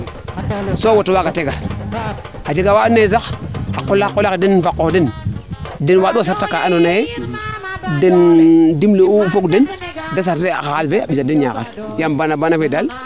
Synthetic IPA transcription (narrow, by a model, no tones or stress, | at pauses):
sowotowaɡateɡaɾ | had͡ʒeɡawaanezakhakːolːaakolakdenfakːoden | denwaduasaɾtakːaʔanonaje | dendimleufokdendas̬aɾtea̰kakalveaɓid͡ʒadenɲa̰ka̰ɾ | jambanabanavedal